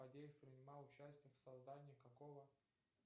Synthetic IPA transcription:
ɐdʲejɪfpɾʲɪnʲɪmɑlˠʊt͡ɕæsʲtʲɪjəfsɐzd̪anʲɪjəkɐkovə

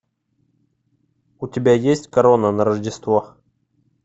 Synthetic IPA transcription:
ʊtʲɪbʲajesʲtʲkɐɾonənəɾəʐdʲɪst̪vo

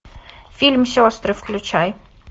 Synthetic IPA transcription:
fʲilʲmsʲɔst̪ɾɨfklʲʊt͡ɕaj

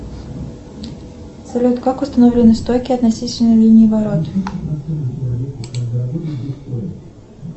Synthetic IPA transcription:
sɐlʲut̪kakʊst̪ɐnovlʲɪnɨst̪ojkʲɪɐt̪nɐsʲitʲɪlʲnəjlʲinʲɪːvɐɾot̪

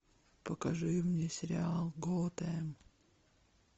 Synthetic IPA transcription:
pəkɐʐɨmnʲesʲɪɾʲɪalˠɡot̪əm

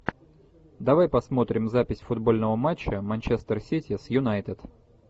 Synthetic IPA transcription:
d̪ɐvajpɐsmo̞t̪ɾʲɪmzapʲɪsʲfʊd̪bo̞lʲnəvəmat͡ɕːəmɐnʲt͡ɕest̪ərsʲitʲɪsjʊnajt̪ɪt̪

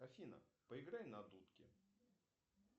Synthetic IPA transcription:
ɐfʲinɐ̰pəɪɡɾajnɐd̪ut̪kʲɪ̰

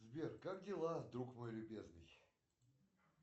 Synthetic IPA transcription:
zbʲerkak̚dʲɪlˠad̪ɾukmojlʲʊbʲeznɨj

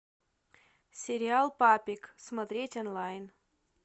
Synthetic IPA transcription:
sʲeɾʲɪalˠpapʲiksmɐt̪ɾʲetʲonlˠajn

